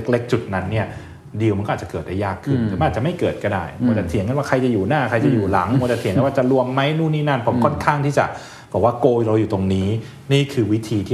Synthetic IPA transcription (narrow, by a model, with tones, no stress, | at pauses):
k̚le˦˥k̚t͡ɕu˨˩t̪̚na˦˥nːi˥˩ɐ | di˧wma˧nkɔː˥˧˨t͡ɕa˨˩kɤː˨˩da˥˩jaː˥˩kʰːɯ˥˩nː˨˦ma˧naː˨˩t̚t͡ɕa˨˩ma˥˩jkɤː˨˩t̪̚kɔ˥˩daː˥˩jmu˧˥t̪ɛ˨˩t̪ʰi˩˦ŋka˧˥nwaː˥˩kʰa˧jt͡ɕa˨˩juː˨˩naː˥˩kʰa˧jt͡ɕa˨˩juː˨˩la˩˦ŋm˧t̪ɛ˨˩t̪ʰi˩˦ŋkwa˥˩t͡ɕa˨˩lu˧əmːa˦˥jnuː˥˩niː˥˩na˥˩npʰo˩˦mʰɔ˥˩nkʰaː˥˩ŋt̪ʰiː˥˩t͡ɕa̰˨˩ʔ | bɔː˨˩k̚waː˥˩koː˧ɾa˧wjuː˨˩t̪o˧ŋniː˦˥ | niː˥˩kʰɯː˧wi˦˥t̪ʰiː˧t̪ʰiː˥˩